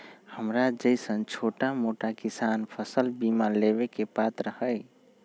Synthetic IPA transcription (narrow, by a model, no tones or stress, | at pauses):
həmɾad͡ʒəɪsənt͡ʃʰoʈamoʈakisanpʰəsəlbimaleβekepat̪ɾəhəj